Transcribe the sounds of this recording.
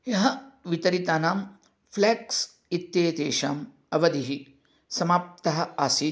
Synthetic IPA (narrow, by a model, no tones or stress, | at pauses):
jɐɦɐʋit̪ɐɾit̪aːnaːm | fleːks | it̪jeːt̪ḛːʃa̰ːm | ɐʋɐd̪iɦi | sɐmaːp̚t̪ɐɦɐ̆aːsi